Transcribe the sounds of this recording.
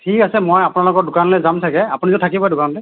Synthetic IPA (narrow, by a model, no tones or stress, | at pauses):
tʰikasɛmojapunalʊkɔdʊkanlɛzamsʰakɛapunizʊtʰakibɔɛdʊkanlɛ